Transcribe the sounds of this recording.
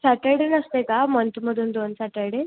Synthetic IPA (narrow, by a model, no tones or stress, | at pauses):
saʈəɭɽenəst̪ekamənt̪um̤əd̪ʱuːnd̪onsaʈəɭɽen